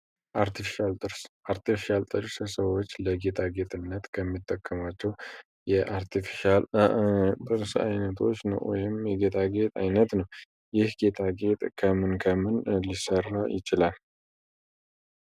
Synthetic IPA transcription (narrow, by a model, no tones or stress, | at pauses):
ʔaɾt̪ʰifi̥ʃalt̪ʼɨɾsʔaɾt̪ifiʃalt̪ʼɨɾsɨsəwot͡ʃːləɡe̞t̪ʰaɡe̞t̪ʼɨnːət̪kʰəmːit̪ʰːəkʰːəmat͡ʃːɛw | jɛʔaɾt̪ʰifiʃal | t̪ʼɨɾsa̰jnət̪ʰo̞̰t͡ʃːnə̰wwɔ̰jɪmjɛɡe̞t̪ʰaɡe̞t̪ʼa̰jnət̪nəw | jɪhɡe̞t̪ʰaɡe̞t̪ʼkʰəmɨnkʰəmɨnlisərːajɪ̰t͡ʃɪlal